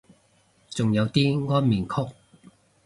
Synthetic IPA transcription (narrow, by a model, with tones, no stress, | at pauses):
t͡sʊ˨ŋjɐ˨˧wt̪iː˥ŋɔː˥nmiː˨˩nkʰʊ˥k̚